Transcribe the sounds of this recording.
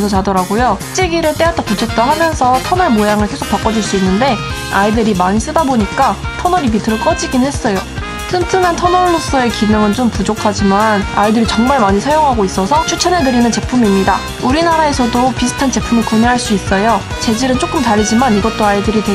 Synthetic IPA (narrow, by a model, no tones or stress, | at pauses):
sʰot͡ɕadʌɾaɡojot͡ɕ͈eɡiɾɯɭt͈e̞atʰakut͡ɕʰʌt̚t͈aɦamjʌnsʰʌtʰʌnʌɭmojaŋɯɭkʰe̞sʰo̥k̚p͈ak͈ʌd͡ʑuɭs͈uinːɯnde̞ | aidɯɾimaɲis͈ɯdaboɲik͈atʰʌnʌɾibitʰɯɾoɭk͈ʌd͡ʑiɡinɦe̞s͈ʌjo | tʰɯntʰɯmantʰʌnʌɭmos͈ʌe̞kinɯŋɯnt͡ɕompud͡ʑokʰad͡ʑimana̰idɯɾit͡ɕʌŋmaɭmaɲisʰajoŋɦaɡois͈ʌsʰʌt͡ɕʰut͡ɕʰʌnedɯɾinɯnt͡ɕe̞pʰumimɲida | uɾinaɾae̞sʰʌdopisʰɯ̥tʰant͡ɕe̞pʰumɯɭkoɲeɦaɭs͈uis͈ʌjo | t͡ɕe̞d͡ʑiɾɯnt͡ɕ͈ok͈ɯmtaɾid͡ʑimaniɡʌt͈oaidɯɾite